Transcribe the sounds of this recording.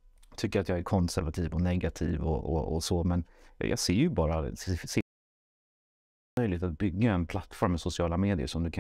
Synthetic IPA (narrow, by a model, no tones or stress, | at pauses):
t̪ʰʏkːəɾat̪jɑːɡæɾkʰɔnsæɾvat̪ʰiːvɔnɛɡat̪ʰiːvɔ̰ʔɔ̰ɔ̰sɔmɛn̰jʔɑ̰ːɡseːɾjɵbɑːɾass | œjlɪɡt̪at̪̚bʏɡːaɛnpʰlat̪ːfɔɾmːɛsʊsɪɑːlameːd̪ɪə̰ʂɔmd̪ɵkʰa